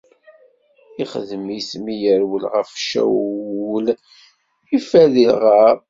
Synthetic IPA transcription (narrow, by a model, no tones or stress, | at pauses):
iχəðəmismijəɾwəlʁəfʃæ̰wwəl | ifæðiʁaɾ